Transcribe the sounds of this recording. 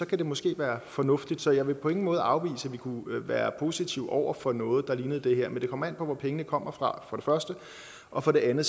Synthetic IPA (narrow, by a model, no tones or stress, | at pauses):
ɒ̽kʰæd̥e̝mɔ̽sɡ̥e̝̰ːʋæːɐfɒ̽nɔ̽fd̥id̥sɒ̽jɑ̈ɪʋe̝pʰɒ̽e̝ŋn̩mɔ̽ːð̩ˠʔɑ̈ʊʋḭːsəæʋikʰuʋæːɐpʰo̝ːsit͡sʰiʊɒʊ̰ɐfɒnɔ̽ːð̩ˠd̥ɑ̈liːnəð̩ˠd̥e̝ɦeɐ̰mend̥e̝kʰɒ̽mɐæn̰pʰɒ̽ʋɒpʰeŋənəkʰɒ̽m̰ɐfʁɑ̈fɒ̽ɾ̥e̝fɶɐsd̥ə | ʔɒ̽fɒ̽ɾ̥e̝ænð̩ˠ